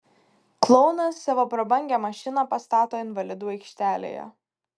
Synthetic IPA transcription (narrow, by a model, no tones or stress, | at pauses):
klˠɔʊnɐsːʲɑʋopɾɐbɐŋʲɡʲɛːmɐʃʲɪnɑpɐst̪ɑːt̪oːɪnʋɐlʲɪd̪uːɛɪkʃʲt̪ʲæːlʲḛːjɛ̰